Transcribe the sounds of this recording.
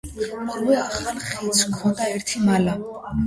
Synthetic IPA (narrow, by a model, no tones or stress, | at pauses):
ɔɾwɛaχalˠχit̪sʰkʰɔnd̪aɛɾt̪ʰimala